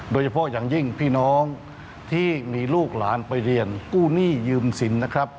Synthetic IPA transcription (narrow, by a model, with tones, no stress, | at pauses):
doː˧jt͡ɕʰa˧pʰɔ˦˥jaː˨˩ŋji˥˩ŋpʰiː˥˩nɔː˦˥ŋ | t̪ʰiː˥˩miː˧luː˥˩k̚laː˩˦npa˧jɾi˧ənkuː˥˩niː˥˩jɯː˧msi˩˦nːa˦˥˩kʰɾa˦˥p̚